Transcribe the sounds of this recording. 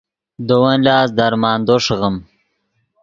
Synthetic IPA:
d̪owɐnlɑːsd̪aɾmɑːnd̪oʂɣəm

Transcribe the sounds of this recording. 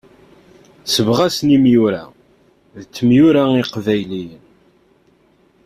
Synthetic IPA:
səvʁæsnimjʊɾæ | ðət͡sːəmjʊɾaiqvæjlijən

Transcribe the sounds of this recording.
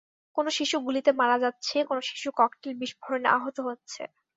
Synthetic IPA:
konoʃiʃuɡulit̪emaɾad͡ʑatːɕʰekonoʃi̥ʃukɔkʈelbiʃbʱoɾoneʔa̰ɦot̪oɦotːɕʰḛ

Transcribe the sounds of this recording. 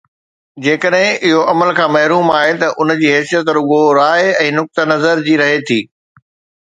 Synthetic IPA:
d͡ʑeːkəɗɦɪ̃ʔɪɦoɐməlkʰãːmɐɦɾuːmaːɦet̪ɐʔʊnd͡ʑiːɦɛːsijət̪ɾʊɠoɾaːɦɛ̃ːnʊk̚t̪ənɐzəɾd͡ʑiːɾɐɦet̪ʰiː

